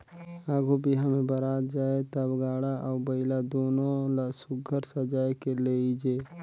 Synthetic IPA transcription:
aːɡobʱiɦəmẽbəɾaːt̪d͡ʒaːet̪əbɡaːɽaʔɔːbəɪlad̪oːnõlasʊɡʱəɾsəd͡ʒaːekeleid͡ʒeː

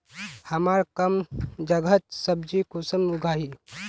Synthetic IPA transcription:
həmaɾkəmd͡ʒəɡət̪̚səbd͡ʒikosəmuɡʱaːɦi

